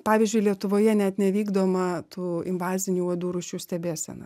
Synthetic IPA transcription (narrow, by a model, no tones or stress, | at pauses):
pɑːʋʲɪzʲd͡ʒʲʊɪlʲiɛt̪ʊʋoːjɛnʲɛt̪nʲɛʋʲiːɡd̪oːmɐt̪uːɪmʋɑːzʲɪnʲuːʋɐd̪uːɾʊʃʲuːsʲt̪ʲɛbʲeːsʲɛ̰nɐ